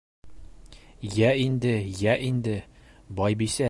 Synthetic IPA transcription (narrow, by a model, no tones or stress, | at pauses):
jæind̪ɘjæʔind̪ɘ | bɒjbisæ